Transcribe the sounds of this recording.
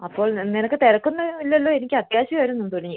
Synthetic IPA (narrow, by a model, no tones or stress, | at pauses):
ɐpːo̞ːɭnenɐkːɨt̪eɾɐkːunːɐʋilːɐlːo̞ːenikʲːɨɐt̪jaːɕɐʋaːɾunːunt̪uɐliɲːi